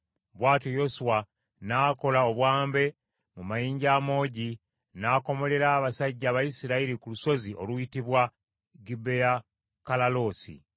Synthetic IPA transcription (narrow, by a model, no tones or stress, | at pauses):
βwaːtojo̞suwa | naːko̞laoβwaːmbe̞ | mumajiːɲɟaːmo̞ːɟi | naːko̞mo̞le̞ɾaːβasaɟːaβajisiɾaiɾikuluso̞zio̞luitiβwa | ɡibːeja | kalalo̞sḭ